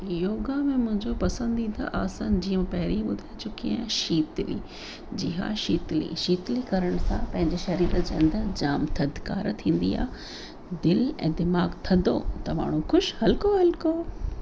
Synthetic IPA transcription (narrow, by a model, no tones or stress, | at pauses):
joːɡamẽmʊ̃ɦɪ̃ɲd͡ʑopɐsə̃nd̪it̪ʰa̰ʔaːsand͡ʑiːə̃mpɐɦɪɾiɓʊd̪ʱaɪt͡ɕʊkijãʃiːt̪lḭ | d͡ʑɪɦa̰ʃiːt̪lḭʃiːt̪likɐɾəɽ̃sã̰pɐ̃ɦɪ̃ɲd͡ʑeʃɐɾiːd̪d͡ʑɐ̰̃nd̪əd͡ʑaːmt̪ʰɐd̪ka̰ːɾt̪ʰĩːn̆d̪ḭa̰ːɦ | d̪ɪlɛ̰̃ːd̪ɪmaːɡt̪ʰɐnd̪o̰t̪ɐma̰ːɽ̤̃ũxʊʃhɐlkoɦɐlkoː